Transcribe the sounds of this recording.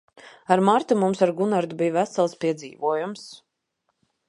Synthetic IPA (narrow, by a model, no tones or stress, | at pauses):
aɾmaɾt̪umumsaɾɡunaɾd̪ubijvæsalˠspiɛd̪zḭːvuɔjums